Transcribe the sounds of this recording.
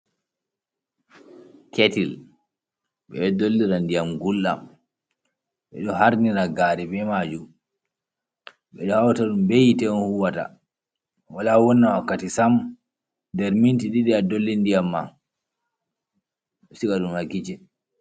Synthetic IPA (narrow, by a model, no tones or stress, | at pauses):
ketil | ɓɛdolːiɾandijamɡulːa̰m | ɓɛ̰ɗɔhaɾniɾaɡaːɾɛbɛmad͡ʒu | ɓɛ̰ɗɔhawtaɗumbejitɛɔnhuwata̰ | walawɔnːawakːatisam | dɛɾmintiɗiɗɛadolːindijamːa | sikaɗumhaɡid͡ʒɛ